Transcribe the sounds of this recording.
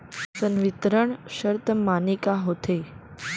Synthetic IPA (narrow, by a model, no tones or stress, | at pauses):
sənʋit̪ɾəɳɕəɾt̪əmanikaɦot̪ʰe